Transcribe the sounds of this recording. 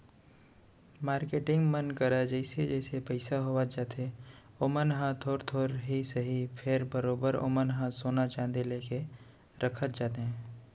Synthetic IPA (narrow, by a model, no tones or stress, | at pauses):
maːɾkeːʈɪ̃ŋɡmənkəɾad͡ʒɛːɪsed͡ʒɛːsepɐɪsaɦoːwad͡ʒaːt̪e | oːmənɦãt̪ʰoːɾt̪ʰoːɾɦisəɦipʰɪɾbəɾoːbəɾo̰ːmənɦãsoːnat͡ʃãːnd̪eleːke | ɾʔəkʰət̪̚d͡ʒaːt̪eɦɛ̃ː